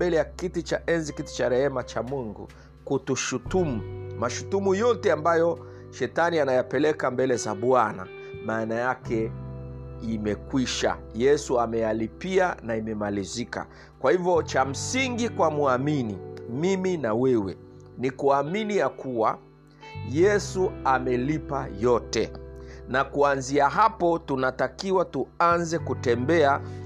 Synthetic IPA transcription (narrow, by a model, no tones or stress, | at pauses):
bɛlɛjakitit͡ʃaʔɛnzikiti̥t͡ʃaɾɛhɛmat͡ʃamuŋɡṵ | kutuʃutumumaʃutumujɔtɛambajɔ | ʃɛtanianajapɛlɛkambɛlɛzaɓwana̰ | maːnajakɛ | imɛkwiʃa̰jɛsuamɛjalipianaimɛmalizika̰ | kwahivjɔt͡ʃam̩siŋɡikwamuaminimiminawɛwɛ̰ | nikuaminijakuwa̰ | jɛsuamɛlipajɔtɛ̰nakuanziaɦapɔtunatakiwatuanzɛkutɛmbɛa